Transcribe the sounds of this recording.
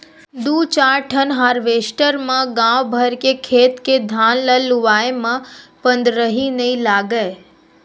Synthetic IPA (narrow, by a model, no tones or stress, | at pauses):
d̪ut͡ʃaɾʈʰənɦaɾʋesʈəɾmãɡãʋbʱəɾkekʰet̪ked̪ʱãnləluʋajemãpə̃nd̪ɾəɦinəĩlaɡə